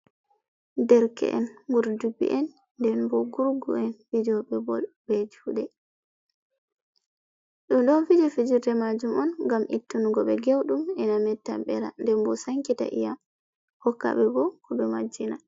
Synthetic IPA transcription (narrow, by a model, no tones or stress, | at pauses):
dɛɾkɛ̰ʔɛ̰nɡuɾdubḭʔɛnː | dɛnbɔɡuɾɡṵɛnfid͡ʒɔɓɛbɔ̰lbɛd͡ʒuɗɛ | ɗuɗɔfid͡ʒɔfid͡ʒutɛmad͡ʒumɔnŋɡamʔḭtːunuɡɔɓɛɡewɗumɛnamɛtːa̰ɓɛɾa̰ndɛmbɔsaŋkita̰ʔḭja | hɔkːa̰ɓɛbɔkɔɓɛmad͡ʒːina